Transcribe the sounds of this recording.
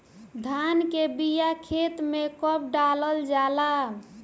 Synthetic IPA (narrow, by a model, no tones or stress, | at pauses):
d̪ʱankebijakʰet̪mekəp̚ɖaləld͡ʒala